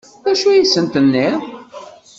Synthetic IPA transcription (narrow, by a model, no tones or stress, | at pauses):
æʃujisənt̪ənːɪʁ